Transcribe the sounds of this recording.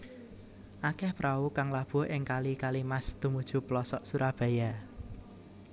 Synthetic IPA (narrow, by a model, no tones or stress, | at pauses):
ʔakɛhpɾʔaukaŋlab̥ṳɦʔɪŋkalikalimast̪umud̥ʒ̥ṳplɔsɔʔsuɾab̥a̤ja